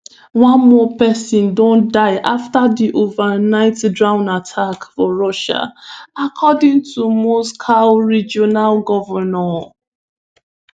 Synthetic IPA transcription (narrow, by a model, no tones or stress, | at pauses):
wãnmɔpɛsɔ̃ndõndaɪʔaftaðiʔovənaɪtdɹãʊ̃natʰakfɔɹɔʃa̰akʰɔdĩŋtʰumoskʰaɹid͡ʒɔnalɡɔvəna